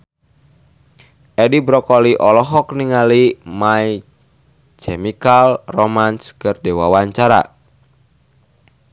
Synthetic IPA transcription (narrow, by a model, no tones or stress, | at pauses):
ʔɛdibɾɔkɔliʔɔlɔɦɔkniŋalimaj | t͡ʃɛmikalrɔmanskɨrdɛwa̰waɲt͡ʃaɾa̰